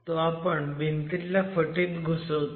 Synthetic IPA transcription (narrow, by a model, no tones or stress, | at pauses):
t̪oapəɳbʱint̪iljafəʈiːt̪ɡʱusət̪